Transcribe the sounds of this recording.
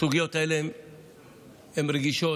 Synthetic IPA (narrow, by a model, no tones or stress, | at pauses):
uɡijo̞t̪aeleem | hemɾeɡiʃo̞